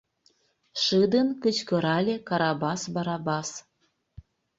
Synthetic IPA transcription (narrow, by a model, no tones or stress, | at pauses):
ʃɨd̪ənkət͡ɕkɤ̆ɾɑlʲekɑɾɑbɑsbɑɾɑbɑs